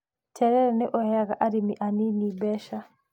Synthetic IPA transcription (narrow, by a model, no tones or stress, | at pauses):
tʰɛɾɛɾɛnɛʔɔhɛaɣaʔaɾimiʔaninibɛʃa